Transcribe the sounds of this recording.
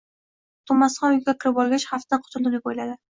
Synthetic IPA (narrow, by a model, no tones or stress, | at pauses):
t̪ʰʊmːasχɒ̃ʊjɡʲakʲʰɪɾɪpɒlˠɡʲat͡ʃχaft̪t̪aqʰʊ̥t̪ʰʊlˠd̪ɪlɪbojlad̪ɪ